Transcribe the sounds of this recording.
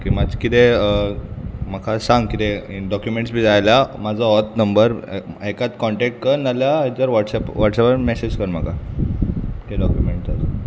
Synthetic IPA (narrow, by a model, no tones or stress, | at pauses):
kimakit̪e | m̤əkʰasãŋɡkit̪eɖɔkjumeɳʈsbid͡zajljamad͡zʱɔɔt̪nəmbəɾekat̪kɔɳʈɛk̚ʈ̚kəɾnːaljad͡z̪əɾʋɔʈsɛpʋɔʈsɛpəmɛsed͡ʑkəɾməkʰa | k̪eɖɔkjumeɳʈat̪